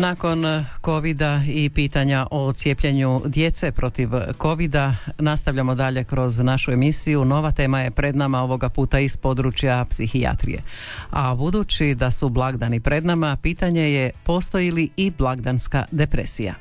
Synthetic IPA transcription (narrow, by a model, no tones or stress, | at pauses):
nako̞nko̞ʋid̪aipiːt̪aɲaʔo̞t̪sje̞pʎeɲud̪je̞t̪se̞pɾo̞t̪iʋko̞ʋid̪anast̪aʋʎamo̞d̪aʎe̞kɾo̞znaʃue̞misijuno̞ʋat̪e̞ːmaje̞pɾe̞d̪namao̞ʋo̞ɡapuːt̪aispo̞d̪ɾut͡ʃjapsixia̰t̪ɾḭjḛabud̪ut͡ʃid̪asublˠaɡd̪anipɾe̞d̪namapiːt̪aɲe̞je̞po̞st̪o̞jiliiblˠaɡd̪anska̰d̪e̞pɾḛsija̰